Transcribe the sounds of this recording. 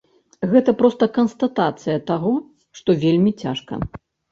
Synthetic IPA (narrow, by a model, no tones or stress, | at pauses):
ɣɛt̪ɐpɾɔst̪ɐkɐnst̪at̪at̪sɨjɐt̪aɣɔ | ʂt̪ɔvʲelʲmʲit͡sʲa̰ʂkɐ̰